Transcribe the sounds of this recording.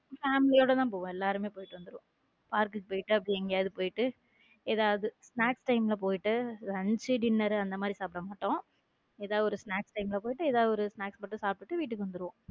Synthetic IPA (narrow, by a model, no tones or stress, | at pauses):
faːmɪlɪjoːɽɐt̪ãːpoːʋʊ̃ɛlːaːɾɯmeːpoːjɪʈːɯʋɐnd̪ɯɾɯʋõ | paːɾkɯkpoːjɪʈːɯɐpːɐɽɪ̃ɛŋɡɐjaːðɯpoːjɪʈːɯ | eːðaːʋɐðɯsnaːksʈɐɪmɪlɐp̬oːjɪʈːɯɾɐɲd͡ʒɯɖɪnːɐɾɐnd̪ɐmaːd̪ɾisaːpɪɾɐmaːʈːõː | eːðaːðɔɾɯsnaːksʈɐɪmɪlɐpoːjɪʈːɯɛːðaːðɔɾɯsnaːkspɐʈːɯsaːp̚ʈɯʈːɯʋiːʈ̬ːɯkːɯʋɐnd̪ɯɾɯʋõ